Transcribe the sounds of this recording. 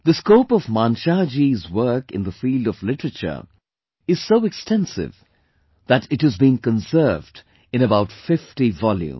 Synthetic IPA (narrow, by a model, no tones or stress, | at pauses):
ðəskoʊpɔvmãnʃad͡ʒizwɜ˞kɨ̰̃nðəfiːlˠdʌvlɪʈəɹət͡ʃə̰˞ | ɨz̥soʊɛkstɛ̃nsɪ̰v | ðɨɾɨthɨzbĩnkə̃nsɜ˞vd | ɨ̃ñəbaʊtfɪftivɔljṵ̃m